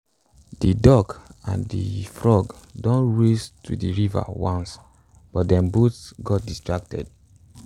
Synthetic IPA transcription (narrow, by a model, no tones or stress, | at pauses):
didɔkã̰ndḭfɹɔɡdɔ̃nɹestʰṵdiɹiva̰wɔ̃ns | b̥ɔt̚dɛ̃mbutsɡɔt̚distɹak̚tɛ̰d